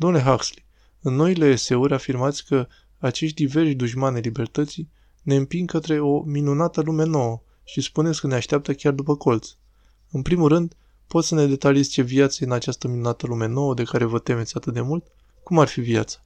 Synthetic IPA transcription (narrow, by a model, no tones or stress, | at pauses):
d̪omnule̞ɦaksli̥ | ɨnːo̞ile̞ːse̞uɾʲafirmat̪sʲkə | at͡ʃe̞ʃt̪̚ʲd̪ive̞rʃd̪uʒmanajlibe̞rt̪ət̪sij | ne̞ɨmpiŋɡkət̪ɾe̞o̞minunat̪əlume̞no̞wə | ʃispune̞sʲkəneaʃt̪eap̚t̪əkʲard̪upəko̞lt̪s | ɨnpɾimulrɨnd̪ | pot̪səne̞d̪e̞t̪aliesʲt͡ʃe̞viat̪səeɨnat͡ʃast̪əminunat̪əlume̞no̞wəd̪e̞kaɾe̞vət̪e̞me̞t̪sʲat̪ɨt̪̚d̪e̞mult̪̚ | kumarfivia̰t̪sḁ